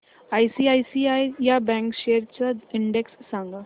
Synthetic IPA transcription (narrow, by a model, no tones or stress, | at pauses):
ajsiːajsiajjabɛ̃ŋkɕeəɾt͡ɕaɪɳɖeksːãŋɡa